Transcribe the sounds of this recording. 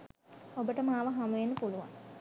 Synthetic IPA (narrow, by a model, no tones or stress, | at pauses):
obəʈəmaːʋəɦamuʋenːəpuluʋa̰n